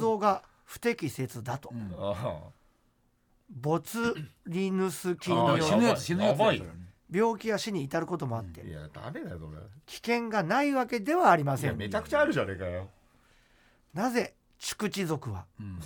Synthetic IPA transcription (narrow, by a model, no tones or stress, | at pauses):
o̞ːɡa | ɸɯ̟̥t̪e̞kʲise̞t͡sɨd̪at̪o̞ | bo̞t͡sɨɾʲinɯsɨkʲĩnd̪oinjinj | bʲjo̞ːkʲijaɕiɲ̟iːt̪aɾɯ̟ko̞t̪o̞mo̞at̪ːe̞̰ja̰d̪a̰med̪ajosoɾḛkʲi̥kẽ̞ŋɡanaiβake̞d̪e̞βaːɾʲimasẽmet͡ɕakɯ̟̥t͡ɕaːɾɯʑaɾeka | naze̞ | t͡ɕɨ̥kɯ̟t͡ɕizo̞kɯ̟βa̰